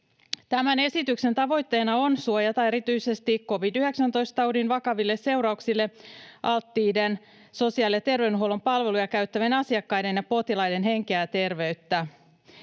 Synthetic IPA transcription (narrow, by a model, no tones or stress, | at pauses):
t̪æmæne̞sit̪ykse̞nt̪ɑʋo̞jt̪ːe̞ːnɑo̞nsuojɑt̪ɑe̞ɾit̪yjse̞st̪ikko̞ʋidyhe̞ksænt̪ojst̪ɑudinʋɑkɑʋilːesse̞uɾɑuksilːe̞ʔɑlt̪ːiːden | so̞siɑliet̪e̞rʋewnɦuolo̞mpɑlʋe̞lujɑkæyt̪ːæʋenɑsiɑkːɑjde̞njɑpo̞t̪ilɑjde̞nɦe̞ŋkeæt̪e̞rʋe̞yt̪ːæ